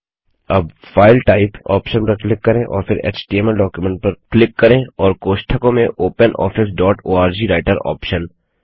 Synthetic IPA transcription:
ɐbfaːɪlʈaːɪpɔ̰ːpʃənpɐɾklɪkːɐɾẽʔɔ̰ːɾfɪɾḛːt͡ʃʈiːemɛɖɔːkjumẽɳʈ̚pɐɾklɪkːɐɾẽːɔːɾkoːʃʈʰəkõmẽʔoːpənʔɔ̰ːfɪs̬ɖɔːʈoːaːɾd͡ʒiːɾaːɪʈəɾɔ̰ːpʃən

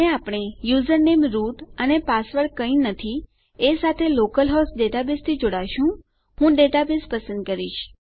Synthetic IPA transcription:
eapɽ̃ejuzəɾnemɾuʈənepasʋəɽkəĩnət̪ʰi | esat̪ʰelokəlɦɔsɖeʈabist̪ʰid͡ʒoɽaʃũ | ɦũɖeʈabespəsə̃nd̪̚kəɾiʃ

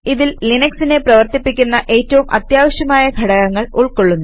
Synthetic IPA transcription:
iðillinɐksine̞prɐʋɐrt̪ipːikʲːunːɐʔe̞ːtːɐʋumʔɐt̪jaːʋɐɕjɐmaːjɐɡʱɐɽɐɣɐŋːɐɭuɭkoɭːunːɐ

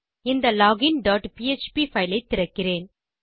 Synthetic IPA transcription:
ɪnd̪ɐlɔːɡɪnɖɔːʈpiːɛt͡ʃpifɐɪlɐɪt̪ːɪɾɐkːɪreːn

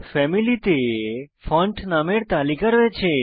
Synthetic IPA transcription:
fɛmilit̪efɔ̃ɳʈnameɽt̪alikəɾʋet͡ʃʰe

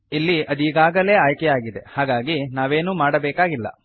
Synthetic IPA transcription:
ilːiʔɐd̪iːɡaːɡɐle̞ːaːjkɛjaːɡid̪ehaːɡaːɡinaːʋe̞ːnumaːɽɐbɛːkaːɡilːɐ̰

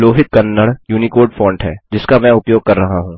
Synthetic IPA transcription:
loːɦɪk̪kɐnːəɽjuːnikoːɾɖfɔ̃ːɳɖɦɛːd͡ʒɪskamɛ̃ʊpjoːɡɡ̚kɐɾːɐɦaɦũː

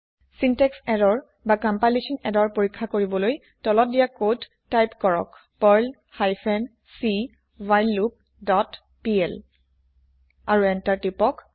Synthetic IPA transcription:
sintɛksɛdɔɹ | bakampajlisɔnɛdɔɹpoɹikʰːakoɹibɔloj | tɔlɔt̚dijakod | tajpkɔɹɔ̰k | pɔɹl | hajpʰɛn | si | wajlːup̚ | dɔt | piɛl | aɹuɛntaɹtipɔk

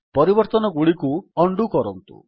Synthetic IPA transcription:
pɔɾibɔɾt̪ɔnɔɡuɭikuɔɳɖukɔɾɔnt̪ṵ

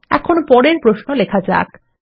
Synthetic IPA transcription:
ɛ̰kʰonopɔɾeɾpɾoʃnolekʰad͡ʑa̰k

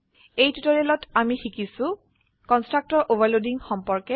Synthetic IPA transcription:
ejtutoɹielɔtamixikisʊ̃ | kɔnstɹak̚tɔɹʔobaɹlodiŋxɔmpɔɹkɛ

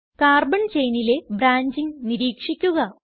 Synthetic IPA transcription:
kaːrbɐɳt͡ɕe̞jnile̞bɾaːɲd͡ʑiŋniɾiːkʂikʲːuɣɐ

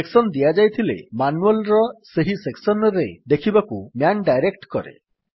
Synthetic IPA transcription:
eksɔnd̪iad͡ʒajt̪ʰilḛmanuelɾɔseɦiseksɔnɔɾed̪ekʰibakumjanɖajɾekʈkɔɾḛ

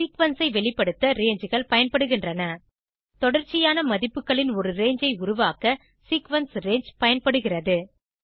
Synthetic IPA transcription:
sikʋɐnsɐɪʋɛɭɪpːɐɽɯt̪ːɐɾeːɲd͡ʒɯɣɐɭpɐjɐnpɐɽɯɣɪndrɐnɐ | t̪ɔɽɐɾt͡ʃːɪjaːnɐmɐðɪpːɯkːɐɭɪnɔɾɯɾeːɲd͡ʒɐɪʊɾʊʋaːkɐ | sikʋɐnsɾeːɲd͡ʒpɐjɐnpɐɽɯɣɪrɐðɯ

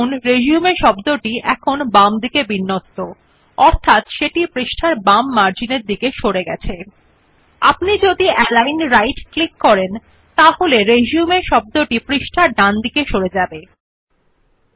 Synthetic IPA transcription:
nɾed͡ʑiumeʃɔbd̪oʈiʔɛkʰonbamd̪ikebinːot̪ːo | ɔɾt̪ʰat̪ʃeʈipɾiʃʈʰaɾbamːaɾd͡ʑineɾd̪ikeʃoɽeɡɛt͡ɕʰe | a̰pnid͡ʑod̪iʔɛlajnɾajʈklikːɔɾen | t̪aɦoleɾed͡ʑumeʃɔb̚d̪oʈipɾiʃʈʰaɾɖand̪ikeʃoɽed͡ʑabe

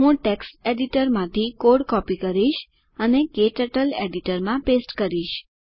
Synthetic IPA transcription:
ɦũʈekseɖiʈəɾmãt̪ʰikoɽkɔpikəɾiʃ | ənekeʈəʈəleɖiʈəɾmãpesʈkəɾiʃ

